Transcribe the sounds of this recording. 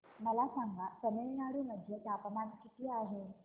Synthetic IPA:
məlasaŋɡʱasəmeɭnaɽuːməd̪ʱːjet̪apəmad̪kit̪leaɦe

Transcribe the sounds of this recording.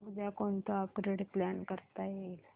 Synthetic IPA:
məd͡zakoɳt̪oapɾeɽpljankəɾt̪ajel

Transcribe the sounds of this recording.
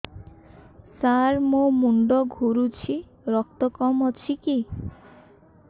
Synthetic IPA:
saɾmomuɳɖɔɡʱuɾut͡ʃʰi | ɾɔk̚t̪ɔkɔmɔt͡ʃʰiki

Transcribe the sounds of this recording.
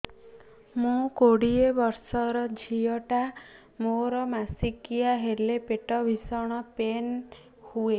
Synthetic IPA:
mũkoɽiebɔɾsɔɾɔd͡ʒʱiɔʈa | moɾɔmasikijaɦelepeʈɔbʱisɔɽ̃ɔpen | hue

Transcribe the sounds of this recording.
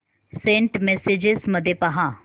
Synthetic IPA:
sẽːɳʈmɛsed͡ʒɪzmɐd̪ʱjepɐɦãː

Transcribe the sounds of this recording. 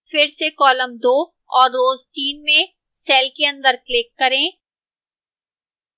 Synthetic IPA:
fɪɾsekɔːləmd̪oː | ɔːɾːoːzt̪iːnmẽ | sɛːlkeɐ̃nd̪əɾklɪkːɐɾẽː

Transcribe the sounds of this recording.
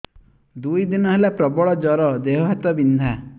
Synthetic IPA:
d̪ujd̪inɔɦelapɾɔbɔɭɔd͡ʒɔɾɔd̪eɦɔɦat̪ɔbind̪ʱa

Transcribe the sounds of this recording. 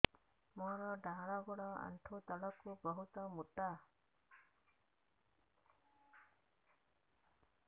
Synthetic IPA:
mɔɾɔɖaɽaɡɔɽɔa̰nʈʰut̪ɔlɔkːubɔɦut̪ɔmuta

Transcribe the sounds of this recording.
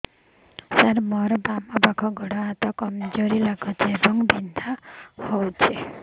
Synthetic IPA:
saɾmɔɾbamabakʰɔɡʱɔɽɔat̪ɔkɔmd͡ʒoɾilaɡʰɔt͡ʃʰebɔŋbind̪ʱahɔwt͡ʃʰe

